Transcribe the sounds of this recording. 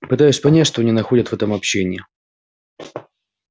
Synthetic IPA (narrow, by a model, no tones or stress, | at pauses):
pɨt̪ajʊsʲpɐnʲætʲʂt̪onʲɪnɐxodʲət̪vɛt̪əmɐpɕːenʲɪɪ